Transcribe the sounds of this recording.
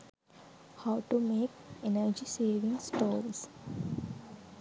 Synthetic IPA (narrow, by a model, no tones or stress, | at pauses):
haʊʈumeːkenəɾd͡ʒiseːʋĩŋsʈoːɾs